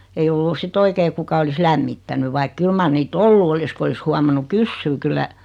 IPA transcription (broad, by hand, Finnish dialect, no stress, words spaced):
ei olːu sit oikei kukɑ olis læmːitːæny ʋɑik kyl mɑr niːtː olːu olis ku olis huɑmɑnːu kysːyː kylːæ